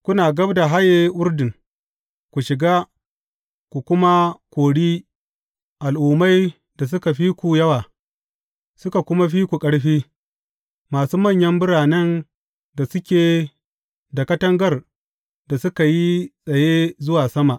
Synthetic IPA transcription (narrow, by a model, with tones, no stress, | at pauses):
kʷʊ˦naː˨ɡɐ˦bda˨ɦa˦jeː˦ʔʊ˦ɾdɪ˨ŋ | kʷu˨ʃɪ˨ɡaː˦ | kʷu˨kʷʊ˦ma˦kʷoː˨ɽiː˦ | ʔa˨lʔuː˨ma˦j | da˨s̬ʊ˦ka˨ɸi˦kʷu˨jɐ˦waː˨ | sʊ˦ka˨kʷʊ˦ma˦ɸiː˦kʷu˨kʼɐ˦ɽɸiː˦ | maː˨suː˦mɐ˦˨ɲjɐ˦mbʊ˦ɽaː˨nɛ˦n | da˨sʊ˦kʲeː˨ | da˨kɐ˦tɐ˦ŋɡɐ˦˨r | da˨sʊ˦ka˨ji˦sʼɐ˨je˦zʊ˦waː˨sɐ˦ma˨ʔ